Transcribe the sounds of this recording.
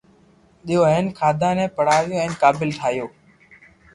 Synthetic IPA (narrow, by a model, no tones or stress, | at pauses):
ɗɪjoːɦɛ̃ːnkʰaːd̪ʱãːnɛ̃ːpəɽaːʋjoːɛ̃ːnkaːbɪlt̪ʰaːɦjoː